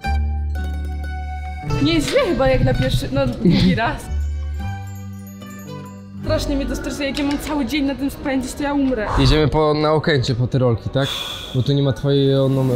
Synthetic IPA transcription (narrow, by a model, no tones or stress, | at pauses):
ɲɛʑlʲɛxɘbajaknapʲjɛɾʂɘnɔd̪ɡʲiɾas | st̪ɾaʂɲɛmʲid̪ɔst̪ɾaɾsuɛjak̬ʲjamamt̪sawɘd͡ʑeɲnat̪ɨmspɛɲd͡ʑit͡ɕt̪ɔjaumɾɛjed͡ʑɛmɘpɔnaɔkɛɲt͡ɕɛpɔt̪ɛɾɔlkʲit̪ak | bɔt̪ɔɲɛmat̪fɔjɛɔnɔm